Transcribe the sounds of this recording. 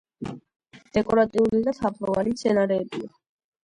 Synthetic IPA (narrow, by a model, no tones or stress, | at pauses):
d̪̥ɛkʼɔɾat̪ʼiulid̪at̪ʰapʰlɔvalit̪sʰɛnaɾɛːbia